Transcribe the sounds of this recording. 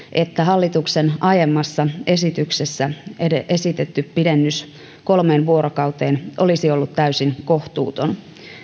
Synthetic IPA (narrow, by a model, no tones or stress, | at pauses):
ʔe̞t̪ːæɦɑlːit̪uksenʔɑjemːɑsːɑe̞sit̪yksesːæeʔesit̪et̪ːyppːidenːys | ko̞lmeːnʋuo̞ɾokɑwt̪eːnʔo̞lisio̞lːut̪tæysinko̞ht̪ṵːt̪on